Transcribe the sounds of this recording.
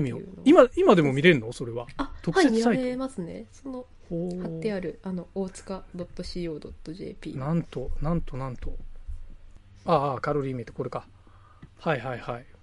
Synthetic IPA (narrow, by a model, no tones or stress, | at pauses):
mʲionoimaimad̪e̞mo̞mʲiɾẽ̞nːo̞so̞ɾe̞βaat̪o̞kseɨ̥saiemasɨne̞̰so̞no̞ | oːhat̪ːe̞aɾɯ̟ano̞oːt͡sɨ̥kad̪o̞t̪ːo̞ɕiːo̞ːd̪o̞t̪ːo̞ʑe̞̰ːpʲḭːnãnt̪o̞nãnt̪o̞nãnt̪o̞ | aːkaɾo̞ɾʲiːmʲit̪ekoɾe̞ka | haiɦaihai